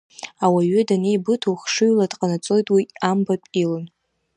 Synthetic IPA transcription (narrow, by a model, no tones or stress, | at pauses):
awaɥʏdanejbɨtʰuwχʂɨɥladqʼanat͡sʼo̞jtʼwiambapʼilɨn